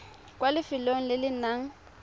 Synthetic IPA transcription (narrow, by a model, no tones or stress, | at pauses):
kʼwalɪfɪloŋ̩lɪlɪnaŋ̩